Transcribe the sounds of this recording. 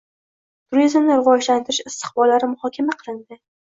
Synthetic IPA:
t̪ʰʊɾizmnɪɾɪvɒd͡ʒlant̪ʰɪɾɪʃɪst̪ʰɨ̥χbɒlːaɾɪmʊhɒkʲʰamaqʰɨlˠɪnd̪ɪ

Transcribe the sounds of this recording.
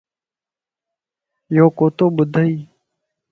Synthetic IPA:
joːkoːt̪oːbʊd̪ʱəiː

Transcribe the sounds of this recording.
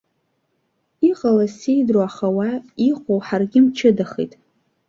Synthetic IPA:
iqʼalasejdroaχawaiχʷowħarɡʲɪmt͡ʃʰɨdaχḭjtʼ

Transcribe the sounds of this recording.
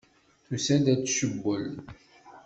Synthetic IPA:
θusæd̪æt͡sːʃəbːəl

